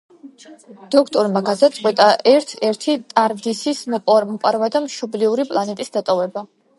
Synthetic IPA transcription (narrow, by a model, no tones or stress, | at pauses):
d̪̥ɔkʰt̪ʼɔɾmaɡad̪at̪sʼqʼwɛt̪ʼaʔɛɾt̪ʰɛɾt̪ʰit̪ʼaɾd̪isismɔpʼɾmɔpʼaɾvad̪amʃɔbliuɾipʼlˠanɛt̪ʼisd̪at̪ʼɔvɛba